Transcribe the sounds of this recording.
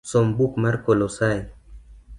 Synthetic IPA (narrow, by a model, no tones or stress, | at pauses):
sɔmbukmaɾkolosaj